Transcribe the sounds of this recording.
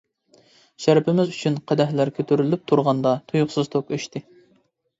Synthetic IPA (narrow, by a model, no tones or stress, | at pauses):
ʃæɾpʰɪmɪzyt͡ʃʰynqʰæd̪æɦlæɾkʲʰøt̪ʰyɾylyp̚t̪ʰuɾʁɑnd̪ɑt̪ʰujuχsɨz̥t̪ʰokøʃt̪ʰɪ